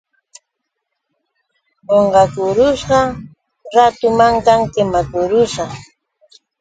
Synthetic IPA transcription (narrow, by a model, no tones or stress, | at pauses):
oɴɢɑkʊɾʊʃɢɑ | ɾat̪ʊmaŋk̪aŋkɪmakʊɾʊʃɑ